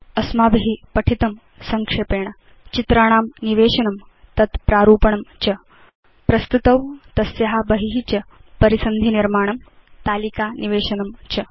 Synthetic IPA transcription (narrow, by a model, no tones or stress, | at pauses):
ɐsmaːbiɦipɐʈʰit̪ɐm | sɐŋkʂeːpeːɳ̃ɐ | t͡ɕit̪ɾaːɳ̃aːmniʋeːʂɐnɐm | t̪ɐt̪pɾaːɾuːpɐɳɐmt͡ɕɐ | pɾɐst̪ut̪ɐwt̪ɐsjɐɦabɐɦiɦit͡ɕɐpɐɾisɐnd̪ʱiniɾmaːɳ̃ɐm | t̪aːlikaːniʋeːʂɐnɐmt͡ɕɐ